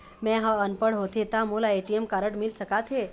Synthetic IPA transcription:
mɛ̃ɦə̃ənpəɽɦot̪ʰet̪amulaeʈiemkaɾəɽmilsəkat̪ʰɦe

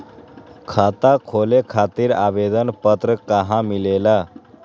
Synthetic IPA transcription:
kʰat̪akʰolekʰat̪iːɾa̰bed̪ənpət̪ɾəkaɦãmilela

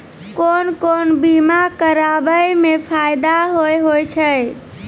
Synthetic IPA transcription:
konkonbimakəɾabəjmepʰajd̪aɦojɦojt͡ʃʰə

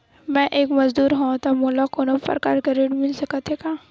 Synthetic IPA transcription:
mɛ̃ʔeːkmɐzd̪uːɾɦõt̪amoːlakoːnəpɾɐ̰ka̰ːɾkeɾeːɖmɪlsɐkət̪ɦekaː

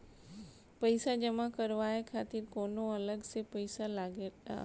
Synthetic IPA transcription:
pɐɪsad͡ʑɐmãkɐɾʋaːekʰaːt̪ɪɾkoːnoɐləɡsepɐɪsalaːɡe

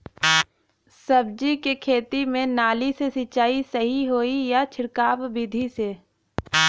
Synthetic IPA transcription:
səbd͡ʒikekʰeːt̪imẽnaːlisesɪt͡ʃaːisəɦiɦoːijat͡ʃʰɪɽkaːbbid̪ʱiseː

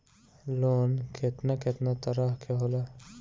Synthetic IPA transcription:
loːnkʰet̪naket̪nat̪ɐɾaɦkʰeɦola

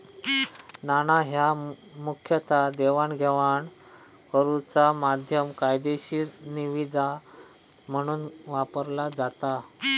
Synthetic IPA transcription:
naɽ̃aɦjamukʰjət̪ʰad̪eʋaɳɡʱɛʋaɳ | kəɾut͡samad̪ʱjəmkajd̪eɕiːniʋid͡za | m̤əɽ̃uːnʋapəɾlad͡zat̪a

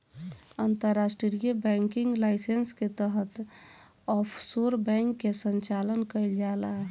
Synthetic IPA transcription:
ənt̪əɾːasʈɾɾijəbɛ̃ŋkɪ̃ŋɡlaɪsensket̪əɦət̪ | ɔːpʰsoɾbɛ̃ŋkːesə̃nt͡ʃaːlənkəild͡ʒaːla

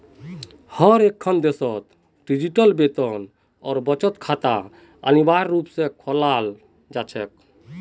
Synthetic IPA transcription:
həɾekʰːənd̪esɔt̪ | ɖid͡ʒiʈəlbet̪ən | ɔ̰ːɾbət͡ʃət̪kʰat̪a | ə̰nibaɾːupsẽkʰɔlal | d͡ʒat͡ʃʰɛk̚

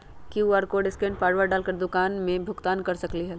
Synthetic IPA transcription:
kiuaːɾkoɖɪskẽɳʈ̚paːɽʋaɖaːlkɐɾd̪ʊkaːnmẽbʱʊɡt̪aːnkɐɾsɐkliɦɛ

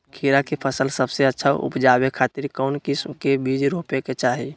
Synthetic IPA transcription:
kʰiɾakepʰəsəlsəbseətːʃʰa̰ʔṵpd͡ʒaːbekʰaːt̪ɪɾkɔʊnkiskebid͡ʒɾoːpeket͡ʃaːɦi

